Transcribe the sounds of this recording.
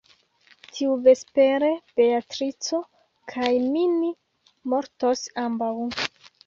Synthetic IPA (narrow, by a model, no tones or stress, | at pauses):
tʰiuve̞spe̞ɾe̞b̥e̞atɾit͡so̞ | kʰajmini | mo̞ɾto̞sambaw